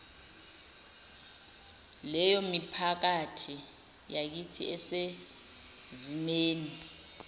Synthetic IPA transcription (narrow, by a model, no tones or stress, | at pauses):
lɛjɔmipʰak̬atʰi | jak̬itʰḭɛse | zimeːni